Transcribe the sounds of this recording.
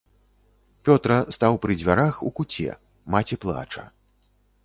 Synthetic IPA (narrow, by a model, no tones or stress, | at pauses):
pʲɔt̪ɾɐst̪awpɾɨd͡zʲvʲaɾaxukut͡sʲɛ̰ | mat͡sʲiplˠa̰t͡ʂɐ̰